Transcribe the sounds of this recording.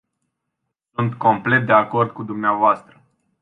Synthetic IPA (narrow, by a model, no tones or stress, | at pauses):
sunt̪ko̞mple̞t̪̚d̪e̞ako̞rd̪̚kud̪umneavoast̪ɾə